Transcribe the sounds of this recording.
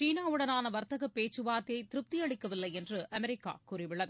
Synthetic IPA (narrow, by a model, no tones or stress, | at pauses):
t͡ʃiːnaːʋɯɽɐnaːnɐʋɐɾt̪ɐɣɐpːeːt͡ʃːɯʋaːɾt̪ɪjɐɪt̪ɪɾɯp̚t̪ɪjɐɭɪkːɐʋɪlːɐɪɛndrɯʔɐmɛɾɪkːa̰ːkurɪʋɪɭːɐðɯ